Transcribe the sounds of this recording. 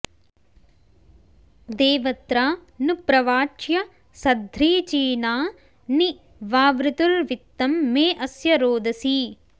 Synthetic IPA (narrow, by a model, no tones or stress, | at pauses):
d̪eːʋɐt̪ɾaːnupɾɐʋaːt͡ʃjɐ | sɐd̪ʱɾiːt͡ʃiːnaː | ni | ʋaːʋɾut̪ulʋit̪ːɐmːeːʔɐsjɐɾoːd̪ɐsiː